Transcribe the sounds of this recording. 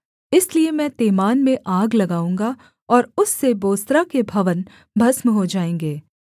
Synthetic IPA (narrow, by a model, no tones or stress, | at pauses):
ɪsliemɛ̃ːt̪eːmaːnmẽʔaːɡlɐɡaːũːŋɡa | ɔːɾʊsːeboːst̪ɾakebʱɐʋən | bʱɐsmɦod͡ʒaːẽːŋ̆ɡeː